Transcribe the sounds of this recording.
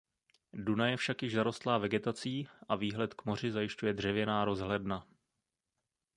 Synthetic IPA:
dunajɛfʃakjɪʒzaɾo̞st̪laːvɛɡɛt̪at͡siːʔaviːɦlɛt̪kmo̞r̝ɪzajɪʃcujɛdr̝ɛvjɛnaːɾo̞zɦlɛdna

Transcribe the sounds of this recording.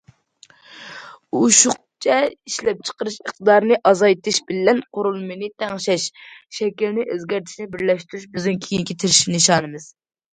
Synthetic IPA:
uʃuχq̚ | t͡ʃʰɛiʃlɛp̚t͡ʃʰə̥qəɾɨʃəχt̪ɨd̪ɑɾnɨʔɑzɑjt̪ʰɨʃbɪlːɛnqʰoɾulˠmɨjnɨt̪ʰɛŋʃɛʃʃɛkʲilnɪʔøzɡʲɛɾt̪ʰɪ̥ʃnɛbɪɾlɛʃt̪yɾyʃbɪzɪŋkʲʰijiŋkʲʰit̪ʰɪɾɪʃi̥nɨʃɑːnɨmɨz̥

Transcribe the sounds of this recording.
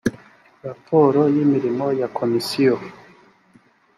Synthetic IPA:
ɾapʰoɾojimiɾimojakʰomisio

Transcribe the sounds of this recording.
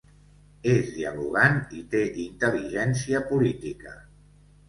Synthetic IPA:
ezðiəluɣ̞anit̪eʔint̪əliʒɛnsiəpulit̪ikə̰

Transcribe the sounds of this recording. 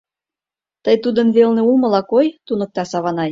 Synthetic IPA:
t̪əjt̪ud̪ənβelneumə̆lɑkojt̪unɤ̆k̚t̪ɑsɑβɑnɑj

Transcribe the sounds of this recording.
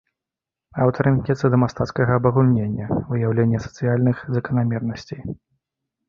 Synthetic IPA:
awt̪ɐɾɨnknʲɛt̪sɐd̪ɐmast̪at̪skɐɣɐːbɐɣulʲnʲenʲːɐvɨjawlʲenʲːɐsɐ̥t̪sɨjalʲnɨxzɐkɐnamʲɛrnɐsʲt͡sʲej

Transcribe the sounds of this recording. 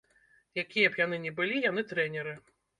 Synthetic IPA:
jakʲijɛpjanɨnʲɛbɨlʲijan̪ɨt̪ɾɛnʲɛɾɨ

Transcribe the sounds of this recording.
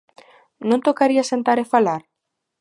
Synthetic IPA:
nõnt̪okaɾiasent̪aɾefalaɾ

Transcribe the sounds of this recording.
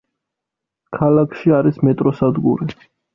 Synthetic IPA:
kʰalakʰʃiaɾismɛt̪ʼɾɔsad̪ɡuɾi

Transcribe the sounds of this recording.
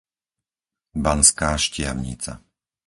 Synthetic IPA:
banskaːʃcɪaʊɲḭːt͡sa̰

